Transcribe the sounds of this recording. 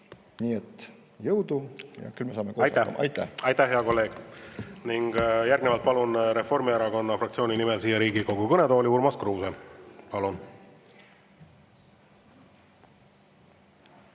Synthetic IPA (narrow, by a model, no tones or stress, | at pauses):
niːet̪ː | jɤwd̪ujɑ̰kylmesɑːmekoːɑjt̪æ̰ɑ̰jt̪ːæ̰ɑjt̪ːæhɦeɑko̞lːe̞ːɡ̥niŋɡ̥jæɾrɡ̥nevɑlt̪pɑlunɾe̞fo̞rmieɾɑko̞nːɑfrɑkt̪sio̞ːnʲinimelsiːjɑɾiːɡiko̞ɡ̥ukɤne̞d̪o̞ːlʲiuɾmɑskruːsepɑlun